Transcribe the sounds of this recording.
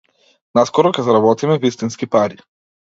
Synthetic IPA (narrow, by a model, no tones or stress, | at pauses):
naskɔɾɔkʲɛzaɾabɔt̪imɛvist̪inskipaɾi